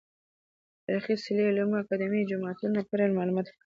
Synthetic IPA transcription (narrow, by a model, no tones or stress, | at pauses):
aɾxisɪlilumakad̪ɪmid͡ʒʊmɑt̪unapaɾalmɑlumɑt̪k